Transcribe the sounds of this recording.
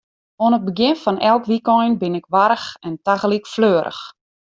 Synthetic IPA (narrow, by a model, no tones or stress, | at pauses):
oənət̚bəɡjɪnfɔnʔɛlˠkʋikɔjnbɪnɪkʋaɾəxɛntaɣəlikfløːəɾə̰x